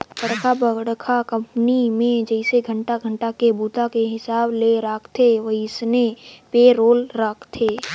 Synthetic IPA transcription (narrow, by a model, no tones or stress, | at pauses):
pəɽkʰabəɡɽkʰakə̃mpnimẽd͡ʒɛɪseɡʱə̃ɳʈaɡʱə̃ɳʈakebuːt̪akeɦɪsaːbleɾaːkʰt̪ʰeʋɐɦiɪsnepeɾoːlɾakʰt̪ʰeː